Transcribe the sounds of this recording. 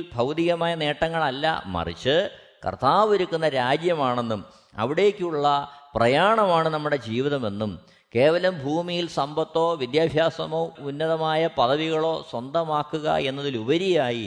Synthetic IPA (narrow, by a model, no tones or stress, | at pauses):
lbʱɐwd̪iɣɐmaːjɐne̞ːʈːɐŋːɐɭɐlːɐ̰mɐ̰rḭt͡ɕːɨ | kɐ̰rt̪aːʋoɾukːunːɐɾaːd͡ʑjɐmaːɳe̞nːum | ɐ̰ʋiɽe̞ːkːɨuɭːɐprɐjaːɳɐmaːɳɨnɐmːuɽe̞d͡ʑiːʋiðɐme̞nːum | ke̞ːʋɐlɐmbʱuːmijilsɐmbʱɐt̪ːo̞ːʋid̪jaːbʱjaːsɐmo̞ːunːɐðɐmaːjɐpɐðɐʋiɣɐɭo̞ːswɐnd̪ʱɐmaːkːuɣɐ̰e̞nːɐðilubɐɾijaːji